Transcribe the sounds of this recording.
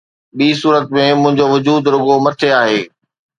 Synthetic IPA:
ɓiːsuːɾət̪mẽmʊ̃ɦɪ̃ɲd͡ʑoʋʊd͡ʑuːd̪ɾʊɡomɐt̪ʰeaːɦeː

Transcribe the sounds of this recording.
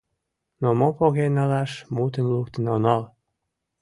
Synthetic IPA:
nomopoɣenɑlɑʃmut̪ənlukt̪ənɑonɑl

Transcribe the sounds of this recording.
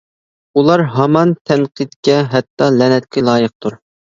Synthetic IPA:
ulˠɑɾɦɑmɑnt̪ʰɛnqʰɨt̪kʲɛɦɛt̪ːɑlɛnɛt̪̚kʲʰɪlˠɑːjəq̚t̪ʰuɾ

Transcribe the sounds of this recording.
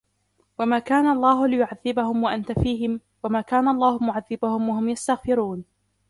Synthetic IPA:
wamaːkaːnaʔɑlˤːaːɦʊlɪjʊʕaðːɪbahʊmwaʔant̪afiːɦɪm | wamaːkaːnaʔɑlˤːaːhʊmʊʕaðːɪbahʊmwahʊmjast̪aɣfɪɾuːn

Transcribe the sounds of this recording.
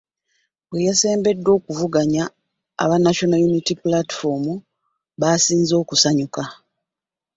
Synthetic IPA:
βwe̞jase̞ːmbe̞dːo̞ːkuvuɡaɲa̰ː | βanaʃo̞najunitipulati̥fo̞mu | βasiːnzo̞ːkusaɲuka

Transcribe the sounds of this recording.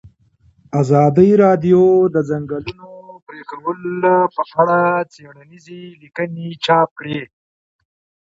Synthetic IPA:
azɑːd̪əjɾɑɖ̪jod̪əzaŋɡəlunopɾekawəlpəaɽat͡seɽanizilikənit͡ʃɑːp̚kɽe

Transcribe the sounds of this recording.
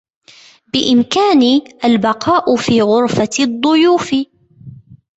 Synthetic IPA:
bɪʔɪmkaːniʔalbɑqʰɑːʔʊfiːɣʊɾfad̪ˤːʊjuːfɪ

